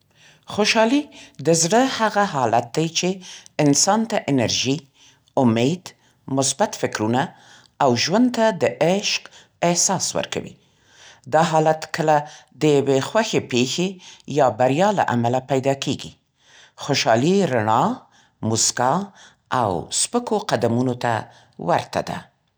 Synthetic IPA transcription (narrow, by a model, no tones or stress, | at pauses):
xoʃɑlid̪əzɽəhaɣaɦɑlat̪̚d̪ajt͡ʃeɪnsɑnt̪aʔɪnaɾʒi | ʊmed̪ | mʊsbat̪fɪkɾuna | awʒwand̪t̪ad̪əʔɪʃq | ɪhsɑswə̰ɾka̰wḭ | d̪ɑɦɑlat̪kʰəlad̪əjawexwaxepexejɑbaɾjɑla̰ʔa̰malapajd̪ɑkeɡḭ | xoʃɑliɾaɳɑ | mʊska | ʔa̰wspəkoqad̪amunot̪a | wa̰ɾt̪a̰d̪a̰